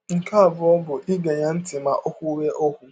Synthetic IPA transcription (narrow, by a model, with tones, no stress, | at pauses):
ŋ̩˨ka˦a˨bʊ˨ɔ˦bʊ˨ʔɪ˦ɡa˨ɲa˦n̩˦tɪ˨ma˨ʔɔ˦kʷʊ˦we˦ʔo˦ku˨˦